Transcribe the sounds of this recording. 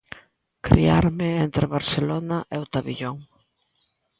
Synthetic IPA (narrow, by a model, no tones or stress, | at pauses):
kɾḭaɾmɪent̪ɾɪβaɾselɔnaʔeʊt̪aβiʎɔŋ